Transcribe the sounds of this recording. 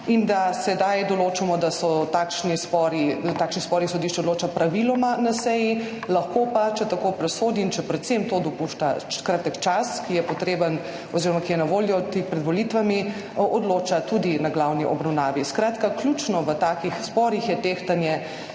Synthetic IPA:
ind̪asɛd̪ajd̪ɔloːt͡ʃamɔd̪asɔt̪aːkʃnispɔɾit̪aːkʃnispɔɾnisɔd̪iʃt͡ʃɛɔd̪loːt͡ʃapɾaʋilɔmanasɛji | lɐxkopat͡ʃɛt̪akopɾɛsoːd̪iːnt͡ʃɛpɾɛt̪semt̪od̪ɔpuʃt̪akɾat̪əkt͡ʃaskijɛpɔt̪ɾeːbən | ɔziːɾɔmakijɛnaʋoːljɔt̪expɾɛd̪ʋɔlit̪ʋami | ɔd̪loːt͡ʃat̪ud̪inaɡlawniʔɔbɾɐwnaːʋiskɾaːt̪kakluːt͡ʃnɔʋət̪aːkixspɔɾixjɛt̪eːxt̪anjɛ

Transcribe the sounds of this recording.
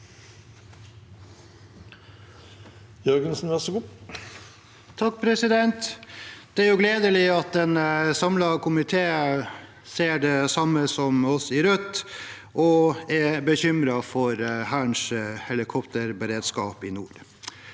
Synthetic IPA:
jœɾɡənsn̩ʋæsɡuː | t̪ʰɑk̚ːpʰɾɛsɪd̪ɛnt̪d̪̥ɛæːɾjʊɡleːd̪əlɪɑt̪̚d̪ɛnəsɑmlɑkʰʊmɪt̪ʰeːə | seːɖɛsɑmːəsɔmɔsɪɾœt̪ː | ʔɔɛbəçʏmɾɑfɔɾhæɳʂhɛlɪkʰɔpt̪əɾbəɾeːd̪skɑːpɪnṵːɾ

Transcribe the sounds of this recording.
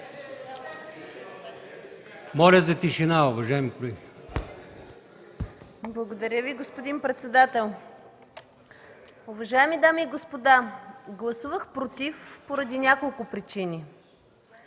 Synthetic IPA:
mɔlʲəzɐt̪iʃinaʊvɐʒaɛmikolɛɡʲi | blˠɐɡod̪ɐɾʲjəviɡospod̪inpɾɛt̪sɛd̪at̪ɛlˠ | ʊvɐʒaɛmid̪amiːɡospod̪aɡlˠɐsuvəxpɾot̪ifpoɾɐd̪inʲakolˠkʊpɾit͡ʃinʲi

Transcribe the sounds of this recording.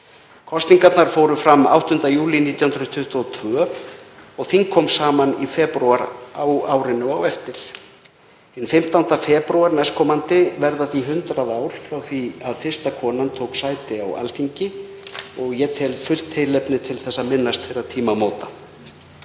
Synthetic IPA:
kʰɔst̪niŋkat̪naɾ̥foːwɾʏfɾamːa̰wht̪ʏnt̪ajuːliniːt̪jahʏnɾʏt̪ʰʏht̪ɔɔt̪ʰvœː | ɔɣθiŋkʰɔːmsaːmanifɛːpɾuaɾawaːwɾɪnʏawɛft̪ɪɾ̥ | ɛnfɪm̥t̪awnt̪afɛːpɾuaɾnɛskʰɔːmant̪ɪvɛɾðaθiɦʏnt̪ɾaðaːwɾ̥fɾawθviaðfɪr̥st̪akʰɔːnant̪ʰoːwksaːjt̪ɪawa̰lfiɲcɪ | ɔɣjɛt̪ʰɛlfʏr̥t̪ʰːɪjlɛpnɪt̪ʰɪlθɛsːaðmɪnːast̪fejɾat̪ʰiːmamoːwt̪a

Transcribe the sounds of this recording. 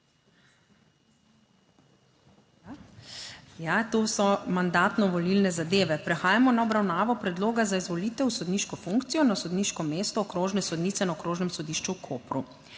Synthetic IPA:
a | jat̪oːsɔmand̪aːt̪nɔʋɔlilnɛzad̪eːʋɛpɾɛxaːjamɔnaɔbɾawnaːʋɔpɾɛd̪loːɡazaizʋɔliːt̪ɛwsɔd̪niːʃkɔfuŋkt̪sijɔnasɔd̪niːʃkɔmeːst̪ɔːkɾoːʒnɛsɔd̪niːt̪sɛnaɔkɾoːʒnɛmsɔd̪iːʃt͡ʃukʰoːpɾu

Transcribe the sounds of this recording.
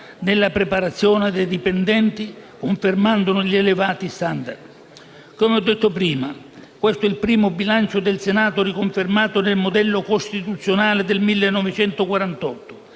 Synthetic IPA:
nɪlːapɾɪpaɾat̪sːjɔːnɪd̪ejd̪ipend̪ɛnt̪ikoɱfɪrmand̪ʊnʊʎielɪvaːt̪ist̪and̪a̰rd̪ | komeɔd̪ːet̪ːʊpɾiːma | kwest̪oɛilpɾiːmʊbilant͡ʃʊd̪ɪlsenaːt̪ʊɾikoɱfɪrmaːt̪ʊnɪlmʊd̪ɛlːʊkost̪it̪ut̪sːjonaːlɪd̪elmilːenːɔvɪt͡ʃɛnt̪ʊkwaɾant̪ɔt̪ːʊ̥

